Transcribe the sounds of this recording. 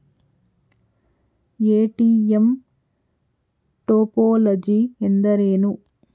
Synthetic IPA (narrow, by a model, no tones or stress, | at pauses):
eːʈiːem | ʈoːpoːlɐd͡ʒiend̪ɐɾeːnu